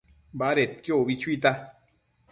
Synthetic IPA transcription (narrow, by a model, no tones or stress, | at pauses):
baɾet̪̚kjoβit͡ʃʷit̪a